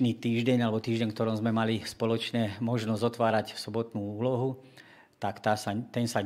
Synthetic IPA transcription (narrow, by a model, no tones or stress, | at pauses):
nit̪iːʒɟɛɲalɛbɔt̪iːʒɟɛɲkt̪ɔɾɔmzmɛmalispɔlɔt͡ʃɲɛːmɔʒnɔzɔt̪ʋaːɾacfsɔbɔt̪nuːuːlɔɦu | t̪akt̪aːsat̪ɛnsa